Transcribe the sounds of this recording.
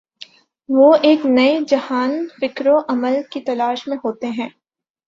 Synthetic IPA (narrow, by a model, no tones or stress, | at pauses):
ʋoeːknɐed͡ʒɐhaːnfɪkɾoʔɐməlkit̪ɐlaːʃmẽɦoːt̪eɦɛ̃ː